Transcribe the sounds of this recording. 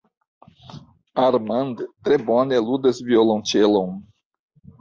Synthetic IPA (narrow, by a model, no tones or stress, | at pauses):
aɾmɐ̃nd̪t̪ɾebõnelud̪ɐzviolɐ̃w̃t͡ʃelõw̃